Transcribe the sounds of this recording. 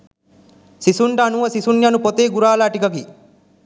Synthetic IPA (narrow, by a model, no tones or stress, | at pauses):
sisuɳʈɐːnuʋɐsisunjɐnupot̪eːɡuɾaːlaːʈikɐki